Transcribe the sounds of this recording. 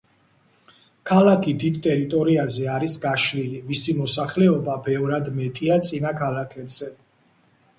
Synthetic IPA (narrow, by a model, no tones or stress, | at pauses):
kʰalakʰid̪id̪t̪ʼɛɾit̪ʼɔɾiazɛaɾisɡaʃlilimisimɔsaχlɛɔbabɛvɾad̪mɛt̪ʼiat̪sʼinakʰalakʰɛbz̥ɛ